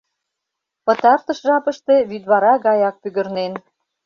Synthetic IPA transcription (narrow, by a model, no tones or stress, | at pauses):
pɤ̆t̪ɑrt̪ɤ̆ʃʒɑpə̆ʃt̪e̽βyd̪βɑɾɑɣɑjɑk̚pyɣə̆rnen